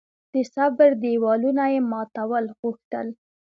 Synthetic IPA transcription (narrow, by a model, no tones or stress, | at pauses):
d̪̥əsabəɾd̪ewɑlunajemɑt̪awəlɣuxt̪ə̰l